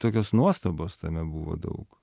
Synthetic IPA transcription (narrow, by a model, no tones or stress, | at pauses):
t̪oːkʲoːsnuɔst̪oboːst̪ɐmʲɛbuːʋo̰ːd̪ɐ̰ʊk